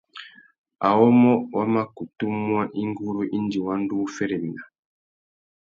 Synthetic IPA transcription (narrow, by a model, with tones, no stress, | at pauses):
a̰˨wɔ˦mɔ˦wa˦ma˦ku˨tu˦mwa˦ʔi˦ŋɡu˦ɾu˦ʔi˦n˦di˨wa˦n˦du˦fɛ˦ɾɛ˨bi˨na˨